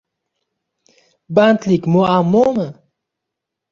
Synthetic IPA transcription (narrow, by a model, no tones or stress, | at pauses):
bant̪likmoamːomə